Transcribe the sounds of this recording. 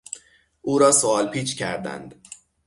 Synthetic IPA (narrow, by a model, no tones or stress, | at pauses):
ʔuːɾɒːsoɒːlpʰiːt͡ʃʰcʰæɾd̪æ̰nd̪̥